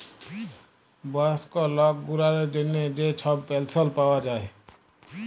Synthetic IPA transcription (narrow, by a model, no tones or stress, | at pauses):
bəskɔlɔk̚ɡuɾaled͡ʒəned͡ʒet͡ʃʰɔbpelsəlpawad͡ʒaːe